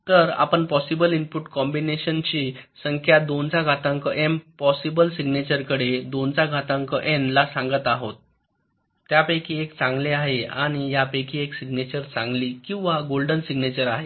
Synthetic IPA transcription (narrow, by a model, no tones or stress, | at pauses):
t̪əɾa̰pəɳpɔsibəlimpuʈkɔmbineɕənt͡ɕisəŋkʰjad̪ont͡saɡʱat̪ãŋkəʔempɔsibəlsiɡnet͡ɕəɾkəɽed̪ont͡saɡʱat̪ãŋkəʔɛnlasãŋɡət̪aɦot̪ː | japəjkʰiekt͡sãŋɡleaɦea̰ɽ̃ijapəkʰieksiɡnet͡ɕəɾt͡sãŋɡlikĩw̃ʋaɡolɖənsiɡnet͡ɕəɾaɦe